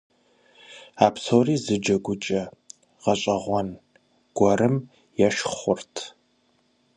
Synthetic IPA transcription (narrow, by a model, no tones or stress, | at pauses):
aːpsoːriːzɨd͡ʒɐɡʷʊt͡ʃʼɐ | ʁɐɕʼɐʁʷɔn | ɡ̥ʷɔrɨm | jɛʃχʷʊrtʰ